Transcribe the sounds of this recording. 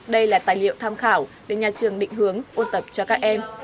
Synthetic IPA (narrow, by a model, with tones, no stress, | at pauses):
ɗə˧jlaː˨˩t̪aː˨˩jlḭ˧˨ə˨wt̪ʰaː˧mxaː˧˩wɗe˧˩ɲaː˨˩t͡ɕɨ˨˩əŋɗḭ̈˧˨ŋ̟ɦɨ˨˦əŋʔo˧nt̪ə˨˩p̚t͡ɕɔ˧kaː˦˥k̚ʔɛ˧m